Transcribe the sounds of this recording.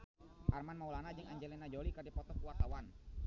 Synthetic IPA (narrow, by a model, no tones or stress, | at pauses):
ʔarmanmaulanad͡ʒəŋʔaɲd͡ʒɛlenad͡ʒɔlikərdipɔt̪ɔkuwart̪awan